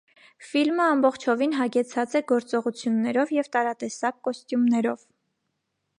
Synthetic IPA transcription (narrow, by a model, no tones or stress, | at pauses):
filməɑmbɔχt͡ʃʰɔvinɦɑɡɛt͡sʰɑt͡sɛɡɔɾt͡sɔʁut͡sʰjunːɛɾɔvjɛvt̪ɑɾɑt̪ɛsɑkːɔst̪jumnɛɾɔv